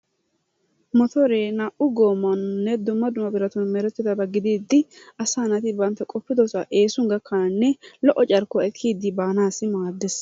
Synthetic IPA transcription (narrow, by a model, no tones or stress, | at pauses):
mɔt̪ʰɔɾeːnɐʔʊɡoːmːɐnʊnːɛd̪ʊmːɐd̪ʊmɐbɪɾɐt̪ʊnmɛɾɛt̪ːɪd̪ɐbɐɡɪd̪iːd̪ːɪɐsaːnɐt̪ɪbɐnt̪ːɛkʼɔpːɪd̪ɔsɐʔe̞ːsʊŋɡɐkʰːɐnnːɛlɔʔɔt͡ʃʼɐɾkɔɛkʰːiːd̪ːɪbaːnaːsɪmaːd̪ːɛs